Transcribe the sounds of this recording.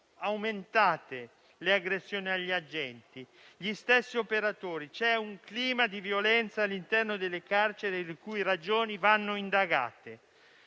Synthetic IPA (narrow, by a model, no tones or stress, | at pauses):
awment̪aːt̪e | leaɡɾesːjoːniaʎːiad͡ʒːɛnt̪i | ʎist̪esːiopeɾat̪oːɾit͡ʃɛuŋkliːmad̪ivjolɛnt̪saːlːint̪ɛrnod̪elːekart͡ʃeɾelekujɾad͡ʒoːnivanːoind̪aɡa̰ːt̪e